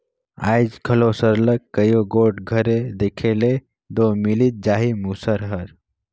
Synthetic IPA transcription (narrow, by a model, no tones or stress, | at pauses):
a̰ːid͡ʒkʰəlosəɾləkːəjoɡoːʈɡʱəɾed̪eːkʰele | d̪oːmilit̪̚d͡ʒaːɦimuːsəɾɦəɾ